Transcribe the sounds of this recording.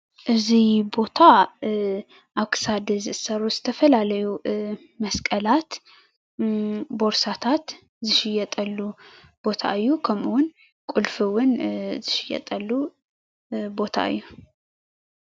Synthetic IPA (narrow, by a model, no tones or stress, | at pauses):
ʔɨzibo̞t̪ʰa | ʔaβkʰɨ̥sad̪ɨzɨɨsɐɾuzɨt̪ʰɐfɐlalɐju | mɐskʼəlat̪ | bo̞ɾsat̪ʰat̪ | zɨʃɪjɛt̪ʼɐlːu | b̥o̞t̪ʰa̰ʔɨjːukʰɐmʔɨwʊn | kʼʊlfɨwʊnzɨʃɪjɛ̰t̪ʼɐlːu | bo̞t̪ʰa̰ʔɨ̰jːu